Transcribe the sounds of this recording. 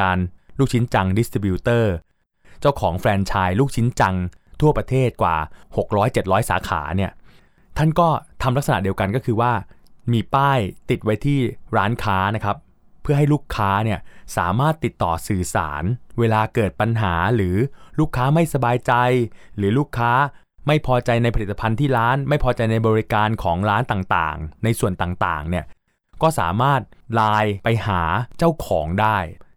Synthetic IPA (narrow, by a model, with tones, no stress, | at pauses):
aː˧nluː˥˩k̚t͡ɕʰi˦˥nt͡ɕa˧ŋdi˦˥st̪ɾi˧biː˧t̪ɤː˥˩ | t͡ɕa˥˩wkʰɔː˩˦ŋfɾɛː˧nt͡ɕʰaː˧jluː˥˩k̚t͡ɕʰi˦˥nt͡ɕa˧ŋt̪ʰu˥˩ɐpɾa˧t̪ʰeː˥˩t̪̚kwa̰ː˨˩ho˨˩k̚ɾɔː˦˥jt͡ɕe˨˩t̪̚ɾɔː˦˥jsa̰ː˩˦kʰa̰ː˩˦ni˥˩ɐ | t̪ʰa˥˩nkɔː˥˩t̪ʰa˧mla˦˥k̚sa˧na̰˨˩di˧əwka˧nkɔː˥˩kʰɯː˧waː˥˩miː˧paː˥˩jt̪i˨˩t̪̚wa˦˥jt̪ʰiː˥˩ɾaː˦˥nkʰaː˦˥na˦˥kʰɾa˦˥pʰː | ɯ˥˩ɐɦa˥˩jluː˥˩kʰːaː˦˥ni˥˩ɐsaː˩˦maː˥˩t̪ːi˨˩t̪ːɔː˨˩sɯː˨˩sa̰ː˩˦nweː˧laː˧kɤː˨˩t̪̚pa˧nɦaː˩˦ɾɯː˩˦luː˥˩kʰːaː˦˥ma˥˩jsa˧baː˧jt͡ɕa˧jɾɯː˩˦luː˥˩kʰːaː˦˥ | ma˥˩jpʰɔː˧t͡ɕa˧jna˧jpʰli˨˩t̪ːa˧pʰa˧nt̪ʰiː˥˩ɾaː˦˥nma˥˩jpʰɔː˧t͡ɕa˧jna˧jbɔː˧ɾi˦˥kaː˧nkʰɔː˩˦ŋɾaː˦˥nt̪aː˨˩ŋt̪a̰ː˨˩ŋna˧jsu˨˩ənt̪aː˨˩ŋt̪a̰ː˨˩ŋni˦˥˩ɐ | kɔː˥˩sa̰ː˩˦maː˥˩t̪̚laː˧jpa˧jhaː˩˦t͡ɕa˥˩wkʰɔː˩˦ŋdaː˥˩j